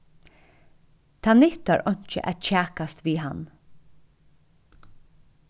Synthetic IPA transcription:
t̪ʰaːnɪht̪aɹɔɲ̥t͡ʃə̰ʔæ̰t͡ʃʰæːkast̪ʋiːɦan

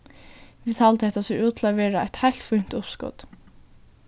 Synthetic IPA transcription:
ʋit̪ʰaːlt̪əhɛht̪ːasɛɹuːt̪ʰɪlaʋeːɹaa̰t̪hajl̥t̪fun̥t̪ʊpskɔ̰t̪

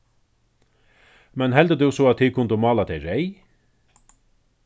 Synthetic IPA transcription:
mɛnɦɛld̪əd̪ʊwsɔat̪ʰiːkʰʊnt̪əmɑːlat̪ʰɛjɾɛj

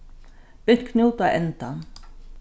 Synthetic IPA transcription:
b̥ɪt̪kʰnʲuːt̪aʔɛnt̪an

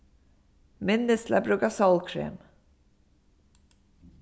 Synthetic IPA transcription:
mɪnːəsla̰bɾʉɡasɑlkʰɾḛːm

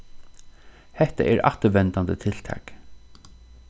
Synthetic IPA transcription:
hɛt̪a̰ʔɛɾʔa̰ht̪əʋɛnt̪and̪ət̪ʰɪlt̪ʰɑ̰ːk

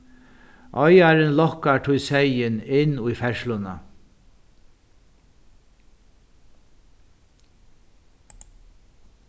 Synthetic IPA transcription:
ʔɔjaɾɪnlɔhkaʈʰʊjsɛjɪnɪnʊjfɛʃlʊna̰

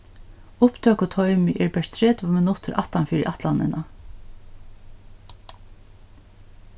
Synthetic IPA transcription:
ʊpt̪ʰøːkʊt̪ʰɔʏmɪʔɛɹpɛʂt̪ʰɾɛːt̪ʊmɪnʊt̪əɾʔa̰ht̪anfiːɾɪ̰ʔat̪lanɪ̰na

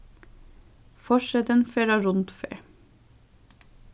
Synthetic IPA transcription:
fɔʃɛt̪ənfeːɾɑɹʊnt̪fḛːɹ

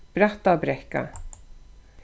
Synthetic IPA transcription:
b̥ɾaht̪abɾɛhka̰

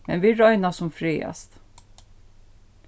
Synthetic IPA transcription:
mɛ̰nʋɪɹɔʏnasʊmfɾiːa̰st̪

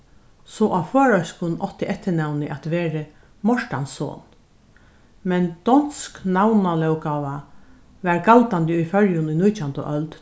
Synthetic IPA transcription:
sɔʔaføːɹœɥskʊnɔt̪ɪʔɛt̪ːɪnawnɪʔat̪ʋeːɾə | mɔʂʈanso̰ːn | mɛnd̪̥ɔnsknawnalɛwkawa | ʋæɹɡalt̪ant̪ɪujfœɹjʊnʊjnujt͡ʃant̪ʊ̰ʔœlt̪

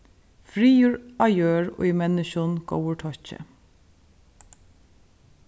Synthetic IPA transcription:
fɹiːjuːɹɑɪjøːɹo̰ːɪmɛnəʃʊnɡ̥o̰ʊwəʈʰɔçə̰

